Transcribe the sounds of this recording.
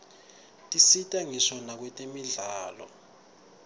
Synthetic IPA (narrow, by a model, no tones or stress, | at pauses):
tʼisitʼaŋisɔnak̬wɛtʼemiɮaːlɔ̰